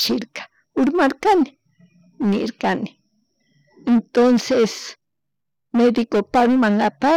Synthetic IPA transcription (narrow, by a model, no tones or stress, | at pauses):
t͡ʃɪɾkḁ | ʊɾmaɾkanɪ̥ | nɪ̰ɾkanɪ̥ | ent̪onses | med̪ɪkopaɾimaŋɡapa